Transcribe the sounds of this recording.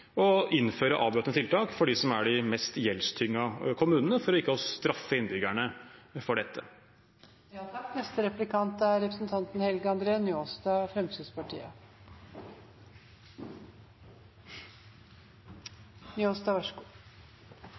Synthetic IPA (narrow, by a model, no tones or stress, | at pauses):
ɔɪnføːɾəʔɑːʋbɾøt̪nət̪ʰɪlt̪ʰɑːkfɔɖiːsɔmæɖɪmɛst̪jɛlst̪ʰʏŋːɑkʰʊmʉːnnəfɔɾɔɪkːəɔst̪ɾɑfːəɪnbʏɡæɳəfɔɖɛt̪ːə | jɑːt̪ʰɑkːnɛst̪əɾɛplɪkʰɑnt̪əæɾɛpɾəsnt̪ʰɑnt̪n̩hɛlɡəɑnd̪ɾeːɑnʏoːst̪ɑːfɾɛmt̪ʰyːd̪spɑʈʰḭːə̰ | nʏoːsd̪ɑːʋɑʂəɡuː